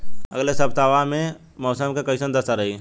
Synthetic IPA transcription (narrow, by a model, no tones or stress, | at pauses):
ə̰ɡlesəbt̪aːʋamẽ | mɔːsəmkekəɪsənd̪əsaɾəɦi